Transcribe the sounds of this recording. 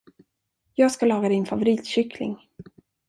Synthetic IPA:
jɑːɡskalɑːɡad̪ɪnfavʊɾiːt̪ɕʏkʰlɪ̰ŋ

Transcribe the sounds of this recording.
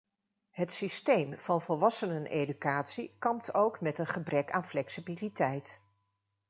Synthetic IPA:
ɦətsistejmv̥ɑnvɔlˠʋɑsənənʔedykaːtsikɑmptʰowkmɛtənχəbrɛkaːnflɛksibilitɛjt

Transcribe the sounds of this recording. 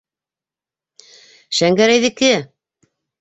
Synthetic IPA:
ʃæŋɡæɾæjðɘ̆kɘ

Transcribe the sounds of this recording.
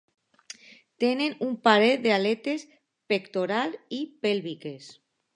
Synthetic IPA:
t̪enenumpaɾed̪ealet̪es | pekt̪oɾalipelβikes

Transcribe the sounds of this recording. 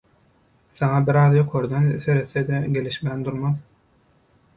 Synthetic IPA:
θɑŋɑbiɾɑːðjoqʰo̞ɾd̪enθeɾeθed̪eɡʲe̞liʃmæːnd̪uɾmɑð

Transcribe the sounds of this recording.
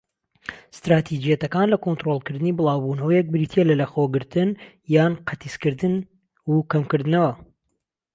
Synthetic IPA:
st̪ɾaːt̪ʰid͡ʒijɛt̪ɐkaːnlɐkont̪ɾolˠkɨɾd̪ɨnibɨlˠɑːwbuːnɐwɐjɛk̚bɨɾiːt̪ʰielɐlɐxoːɡɨɾt̪ɨn | jaːnqʰɐt̪iskɨɾd̪ɨn | ukɐmkɨɾd̪ɨnɐwɐ

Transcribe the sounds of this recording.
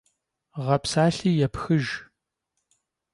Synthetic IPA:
ʁɐpsaːɬiːjɛpxɨʒ

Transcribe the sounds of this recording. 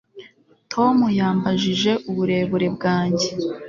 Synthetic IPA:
tʰo̞mujaːmbaʒiʒe̞ʔuβuɾe̞ːβuɾe̞bɡaːɲɟe̞

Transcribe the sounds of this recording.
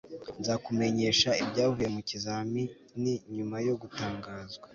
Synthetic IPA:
nzakume̞ɲe̞ːʃaibɟaːvuje̞mucizaːmi | niɲumajo̞ɡutaːŋɡaːzɡwa

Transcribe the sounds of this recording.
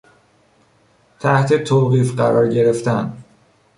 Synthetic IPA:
t̪ʰæht̪ʰe̞t̪ʰoːɣiːfɢæɾɒːɾɟe̞ɾe̞ft̪æn

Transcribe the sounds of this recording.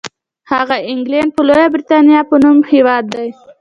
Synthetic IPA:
haɣaɪŋɡlaɳd̪̚pəlojabɾit̪ɑnijɑpənumhewɑd̪ːaj

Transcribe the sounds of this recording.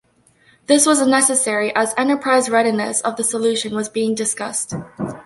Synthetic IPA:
ðɪswʌzənɛsɨsɛɹiʔəzɛ̃ñtə˞pʰɹ̥aɪzɹɛɾinɨ̰sʌvðəsəlʉʃɨ̃nwʌzbiɪ̃ŋdɨskʌst̚

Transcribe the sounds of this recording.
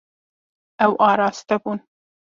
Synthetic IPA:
awʔɑːɾɑːst̪akun

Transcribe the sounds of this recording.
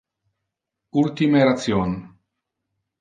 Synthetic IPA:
ult̪imeɾat͡sjon

